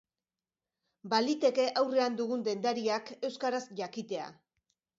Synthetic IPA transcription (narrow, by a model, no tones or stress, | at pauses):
balit̪e̞ke̞ʔawre̞and̪uɣund̪e̞nd̪aɾiake̞wskaɾasʝakit̪e̞a̰